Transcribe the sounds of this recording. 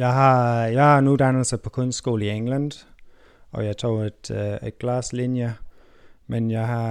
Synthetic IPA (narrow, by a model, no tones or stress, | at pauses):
jɑ̈ɪɦɑ̈jɑ̈ɪhɑ̈nud̥ænl̩səpʰɒ̽kʰɔnsd̥sɡ̥o̰ːl̩ieŋlænd̥ | ʔɒ̽jɑ̈ɪt͡sʰo̰ːed̥ed̥̚ɡ̥lɑslinjə | menjɑɪɦɑ̈